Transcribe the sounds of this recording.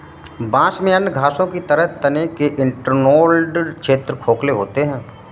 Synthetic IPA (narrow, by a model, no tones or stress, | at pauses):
bãːsmẽɐnːɡʱaːsõkit̪ɐɾəɦt̪ɐnekeʔɪɳʈəɾnoːlɖkʃeːt̪ɾəkʰoːkleɦoːt̪eɦɛ̃ː